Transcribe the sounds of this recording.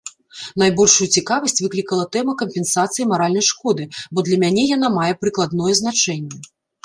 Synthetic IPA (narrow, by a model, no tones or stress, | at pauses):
najbɔlʲʂujut͡sʲikavɐsʲt͡sʲvɨklʲikɐlˠɐt̪ɛmɐkɐmʲpʲɛnsat̪sɨjimaɾalʲnɐjʂkɔd̪ɨbɔd̪lʲɐmʲanʲɛjanamajɛpɾɨklˠad̪nɔjɛznat͡ʂɛnʲːɛ